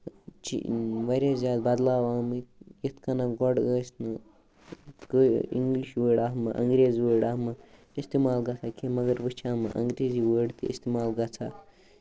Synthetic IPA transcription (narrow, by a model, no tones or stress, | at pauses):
t͡ʃḭʋɐɾʲaːzʲjaːd̪̚baːd̪laːʋaːmɨit̪ʰkɐnaɡɔɖɡəːsnɨ | ɡḭŋɡliʃwəːɽaːɦmɨʔɐ̰ŋɡɾeːziwəːɽaːmɨ | ist̪imaːlɡɐt͡sʰakʰemɐɡɐɾbɨt͡ʃʰaːmɨ̰ʔɐ̰ŋɡɾeːziwəːɽt̪iist̪imaːlɡɐt͡sʰa